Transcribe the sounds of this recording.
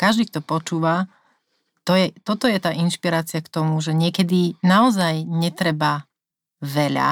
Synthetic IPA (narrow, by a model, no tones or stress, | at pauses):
kaʒd̪iːk̚t̪ɔpɔt͡ʃuːʋa | t̪ɔjɛt̪ɔt̪ɔjɛt̪aːʔinʃpiɾaːt͡siakt̪ɔmuʒɛɲɪɛkɛd̪inaɔzajɲɛt̪ɾɛba | ʋɛʎa̰